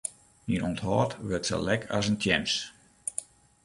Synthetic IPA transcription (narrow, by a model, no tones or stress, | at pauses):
ninonthɔːtʋørtsə̰lɛkʰa̰s̬əntʰjɛns